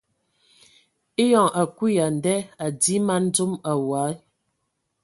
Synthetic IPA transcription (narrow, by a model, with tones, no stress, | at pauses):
e˦jɔ˨ŋʔa˨ku˦ja˨n˨dɛ˦a˨di˦ma˦n̩˦d͡zu˦ma˨wa˨˦